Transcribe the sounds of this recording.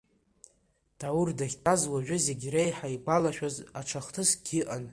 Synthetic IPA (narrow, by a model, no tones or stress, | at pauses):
d̥awurdaχʲtʼazwaʒᶣʊze̞ɡʲrejħaiɡʷalaʃᶣazaʈ͡ʂʰaχtʰɨsɡʲɪʔan